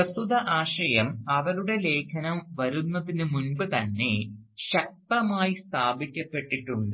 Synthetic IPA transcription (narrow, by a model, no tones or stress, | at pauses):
ɐsuðɐʔaːɕɐjɐmɐʋɐluɽe̞le̞ːkʰɐnɐmʋɐɾunːɐðinɨmunbɨt̪ɐnːe̞̰ɕɐk̚t̪ɐmaːjist̪ʰaːbikʲːɐpːe̞ʈːiʈːuɳɖɨ